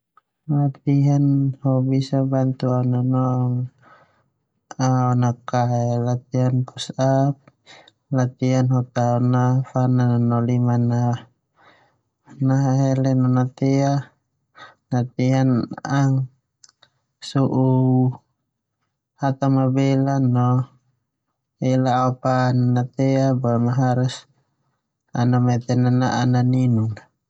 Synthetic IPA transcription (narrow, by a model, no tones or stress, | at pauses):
lat̪iɦanhɔbisabant̪uaunanɔŋ | aɔnakaɛlat̪̚iɦanpusap̚ | lat̪iɦanɦɔt̪aɔnafanananɔlimana | naɦaɦɛlɛnɔnat̪ɛa | nat̪ianaŋ | suʔu | hat̪amabɛlanɔ | ɛlaapannat̪ɛabamaɦaɾus | anamɛt̪ɛnanaʔananinuŋ